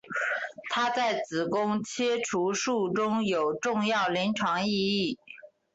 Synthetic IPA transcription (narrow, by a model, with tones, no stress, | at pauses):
t̪ʰa˥t͡sa˥˩ɪt͡sɹ̩˨˩kʊ˥ŋt͡ɕʰjɛ˥ʈ͡ʂʰu˧˥ʂu˥˩ʈ͡ʂʊ˥ŋjo˨˩ʊʈ͡ʂʊ˥˧ŋjɑ˥˩ʊli˧˥ŋʈ͡ʂʰɑ˧˥ŋi˥˧i˥˩